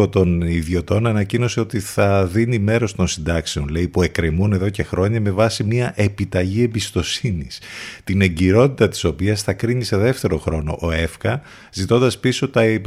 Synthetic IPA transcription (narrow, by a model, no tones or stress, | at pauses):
o̞t̪o̞niðʝo̞t̪o̞nɐnɐcino̞se̞o̞t̪iθɐðinime̞ɾo̞st̪o̞nsind̪ɐkse̞o̞nle̞ipue̞kɾemune̞ðo̞ce̞xɾo̞ɲɐme̞vɐsimiɐʔe̞pit̪ɐʝie̞mbist̪o̞sinist̪ine̞ɟiɾo̞t̪it̪ɐt̪i̥so̞piɐsθɐkɾiɲiseðe̞ft̪e̞ɾo̞xɾo̞no̞̰ʔoe̞fkɐ | zit̪o̞nd̪ɐspiso̞t̪ɐe